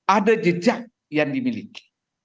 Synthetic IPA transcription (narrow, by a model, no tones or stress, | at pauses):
adəd͡ʒəd͡ʒaʔ̚ | jandimiliki̥